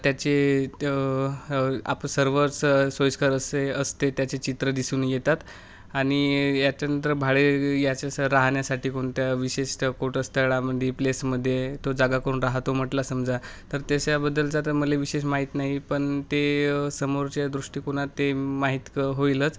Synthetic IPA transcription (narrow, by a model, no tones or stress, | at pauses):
t̪jat͡ɕe | a̰pəsəɾʋəɾssojskaɾəseəst̪et̪jat͡ɕet͡ɕit̪ɾəd̪isuːnjet̪at̪ | aɽ̃ijat͡ɕanənt̪ɾəbʱaɭejat͡ɕaəɾaɦɳjasaʈʰiːkoɳt̪jaʋiɕeɕkoʈəst̪ʰəɭaməd̪ʱjeplesməd̪ʱːjet̪od͡zaɡakəɾuːnɾaɦt̪om̤əʈlasəmd͡zat̪əɾt̪jaɕabəd̪ːəld͡zat̪əməleʋiɕeɕmaɦiːt̪naɦipəɳt̪esəmoɾt͡ɕjad̪ɾuʂʈiːkoɽ̃at̪ːemaɦit̪kəɦoilət͡s